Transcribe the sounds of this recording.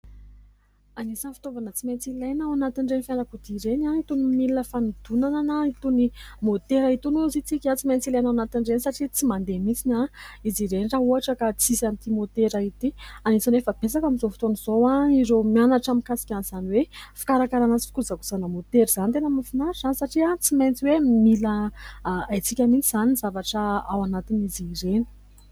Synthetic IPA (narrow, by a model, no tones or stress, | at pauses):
anisanfi̥t̪ovanət͡siment͡silejnawanat̪iɳɖ͡ʐenfjanakud̪iɾenait̪unimilinəfanud̪unananəit̪unimot̪eɾait̪unezit͡sikʲat͡siment͡silajnawanat̪iɳɖ͡ʐenisaʈ͡ʂit͡simand̪emit͡sinaiziɾeniraɦuɦaʈ͡ʂəkat͡sizamit̪imot̪eɾait̪ianit͡sanefəb̥esakamizofu̥t̪onizowaiɾomianaʈ͡ʂamikasi̥kʲanz̥aniwefi̥kaɾakaɾanat͡sifi̥kuzaku̥z̥anəmot̪eɾizanit̪enəmafinaɾzanisaʈ͡ʂiat͡siment͡siwemila | ajt͡sikʲamint͡siz̥aninizavaʈ͡ʂəawanat̪inizireni̥